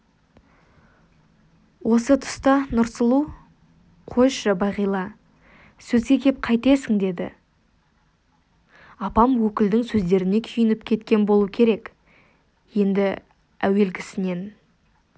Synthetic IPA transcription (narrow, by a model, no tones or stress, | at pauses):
wo̞sət̪ʰʊ̥st̪ɑnʊɾsəlˠu | qʰoʃɑbɑʁijlˠɑ | sɵzɡʲekʲʰe̞p̚qʰɑjt̪e̞sɪŋd̪e̞d̪ɪ̰ | ɑpɑmwɵkʲɪld̪ɪŋsɵzd̪e̞ɾɪne̞kʲʰijɪnɪp̚kʲʰe̞t̪̚kʲe̞nbo̞lˠuəkʲʰe̞ɾe̞k | je̞nd̪ɪ | æwe̞lɡʲɪsɪne̞n